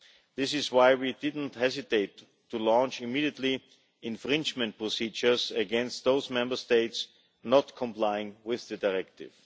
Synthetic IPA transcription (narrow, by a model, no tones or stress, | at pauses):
ðɪsɪswaɪwidɪdⁿn̩thɛzɪteɪtʰː | ulɔ̃nt͡ʃɪmiːɾiətˡli | ɪ̃nfɹɪ̃nd͡ʒmɛ̃nt̚pɹɔsid͡ʒə˞səɡɛ̃nst̪̚ðoʊsmɛ̃mbə˞steɪts | nɔtkʰɔ̃mplaɪɪ̃ŋwɪððɨdaɪɹɛk̚tɪ̰v̥